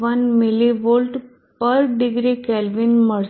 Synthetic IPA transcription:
ʋənmiliʋolʈ | pəɾɖiɡɾikɛlʋinmə

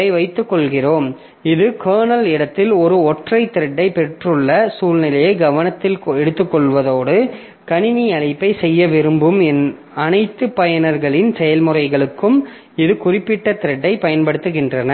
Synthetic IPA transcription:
ɐɪʋɐɪt̪ːɯkːɔɭɣɪroːm | ɪðɯkʰɐːɳɐlɪɽɐt̪ːɪlɔɾɯɔʈrɐɪt̪ːɪɾɐɖːɐɪpɛʈrɯɭːɐsuːɭnɪlɐjɐɪɡɐʋɐnɐt̪ːɪlɛɽɯt̪ːɯkːɔɭʋɐðoːɽɯ | kɐɳɪniɐɭɪpːɐɪsɛjːɐʋɪɾɯmbɯmɛn | ɐnɐɪt̪ːɯpɐjɐnɐɾɣɐɭɪnsɛjɐlmɯrɐɪɣɐɭɯkːɯm | ɪðɯkʊrɪpːɪʈːɐt̪ɪɾɐɖːɐɪpɐjɐnpɐɽɯt̪ːɯɣɪndrɐnɐ

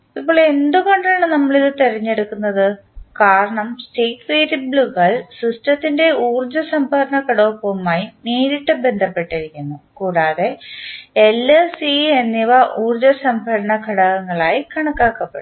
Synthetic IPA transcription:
ipːoːɭend̪uɣo̞ɳɖaːɳɨnɐmːɐɭiðɨt̪irɐɲːe̞ɽukːunːɐðɨ | kaːɾɐɳɐmsʈiːkʋeːɾibɭuɣɐɭsistɐt̪ːinde̞uːrd͡ʑɐsɐmbʱɐɾɐɳɐkɐɽɐːpːomaːjiniːɾiʈːɨbe̞nd̪ʱɐpːe̞ʈːɐɾikʲːunːukuːɽaːðe̞ | elːesienːiʋɐʔuːrd͡ʑɐsɐmbʱɐɾɐɳɐkʰɐɽɐɣɐŋːɐɭaːjikɐɳɐkːaːkːɐpːeɽu

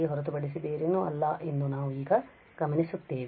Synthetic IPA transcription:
eɦɔɾɐt̪̬ubɐɽis̬id̪eːɾinːuɐ̰lːɐʔend̪unaːʋuiːɡɐ | ɡ̥ɐmɐnisut̪ːeːʋi

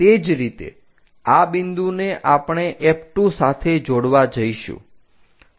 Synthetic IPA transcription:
t̪ed͡ʒɾit̪ḛ | abind̪uneʔapɳ̃eʔɛpʈusat̪ʰed͡ʒoɽʋad͡ʒəiʃṵ̃

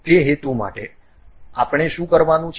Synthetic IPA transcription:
iəɦet̪uma̰ʈe | a̰pɳ̃eʃũkəɾʋanũt͡ʃʰ

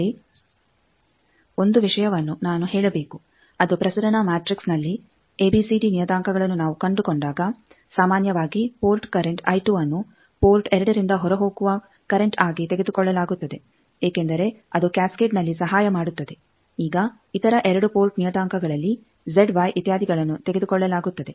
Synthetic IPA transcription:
i | o̞nd̪uʋiʂɐjɐʋɐnːunaːnuɦɛːɭɐbe̞ːku | ɐd̪upɾɐsɐɾɐnɐmaːʈɾiksnɐlːi | eːbiːsiɖinijɐd̪aːŋkɐɡɐɭɐnːunaːʋukɐɳɖukɔɳɖaːɡɐ | saːmaːnjɐʋaːɡipo̞ːlʈkɐɾeɳʈɐ̰jʈuɐnːu | poːlʈɛɾɐɽɐɾind̪ɐɦɔɾɐɦoːɡuʋɐ | kɐɾeɳʈaːɡit̪e̞ɡe̞d̪ukɔɭːɐlaːɡut̪ːɐd̪e̞ | eːkend̪ɐɾe̞ɐd̪ukaːskeʈnɐlːisɐɦaːjɐmaːɽut̪ːɐd̪e̞ | iːɡɐ | it̪ɐɾɐʔɛɾɐɽupoːlʈnijɐd̪aːŋkʰɐɡɐɭɐlːi | zeɖʋaːjʔit̪jaːd̪ʱiɡɐɭɐnːut̪e̞ɡe̞d̪ukɔɭːɐlaːɡut̪ːɐd̪e̞

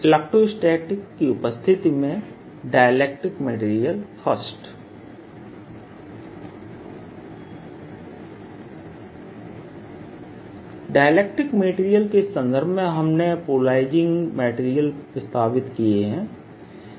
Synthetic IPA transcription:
lɛk̚ʈɾoɪsʈeːʈɪkːiʊpəst̪ʰɪt̪imẽ | ɖaːjəleːk̚ʈɪkmeʈiːɾijəlfʰəsʈ | ɖaːjleːk̚ʈɪkmeːʈiːɾijəlkesə̃nd̪ʱəɾbʱmẽɦɐmnepuːlaːɪd͡ʒɪ̃ŋɡmeːʈiːɾijəlpɾəst̪ʰaːʋɪt̪kieɦɛ̃ː

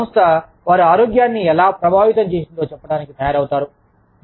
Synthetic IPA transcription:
mst̪ʰɐ | ʋaːɾuaːɾoːɡjaːnːiɛlaːpɾɐbʱaːʋit̪ɐmt͡ʃe̞ːsind̪o̞ːt͡ʃɛpːɐɽaːnikit̪ʰɐjaːɾɐwt̪aːɾu

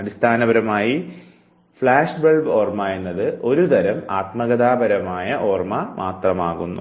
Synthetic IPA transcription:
ɐɽist̪ʰaːnɐbɐɾɐmaːji | fɭaːʂbeɭbo̞ːrmaːjenːɐðɨʔo̞ɾud̪ɐɾɐmaːt̪mɐɣɐðaːbɐɾɐmaːjɐʔo̞ːrmɐmʔaːt̪rɐmaːɣunːu

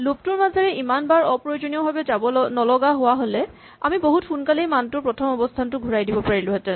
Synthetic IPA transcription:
lop̚tʊɹmazaɹɛʔimanbaɹɔpɹɔjod͡ʒoniɔbʱabɛabɔnɔlɔɡaɦowaɦolɛ | a̰miboɦutxunkalejmantʊɹpɹɔtʰɔmɔbɔstʰantʊɡʱuɹajdibɔpaɹilʊɦɛtɛ

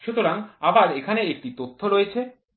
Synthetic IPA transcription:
ʃut̪oɾaŋabaɾekʰaneek̚ʈit̪ot̪ʰːoɾoet͡ɕʰe

